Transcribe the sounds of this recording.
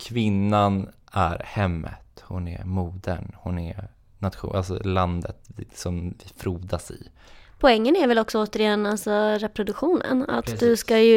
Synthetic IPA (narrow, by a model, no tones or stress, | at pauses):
kʰvɪnːanʔæɾhɛmːə̰t̪hʊnɛ̰ɾmuːd̪ə̰nhʊnɛɾ | nat̪ɧuʔalsɔ̰land̪ət̪sɔmvɪfɾuːd̪asɪ̰ | pʰɔɛŋːənæɾvɛlɔksɔoːt̪əɾɪɛnːalsɔɾɛpɾʊd̪ɵkɧuːnə̰na̰t̪d̪ɵskajɵ